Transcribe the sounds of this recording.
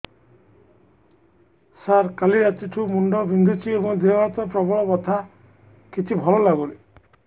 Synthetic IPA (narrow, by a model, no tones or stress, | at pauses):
saɾkaliɾat͡ʃiʈʰumuɳɖɔbʱind̪ʱut͡ʃʰiebɔŋd̪emat̪ɔpɾɔbɔɭɔbɔt̪ʰa | kit͡ʃʰibʱɔɭɔlaɡule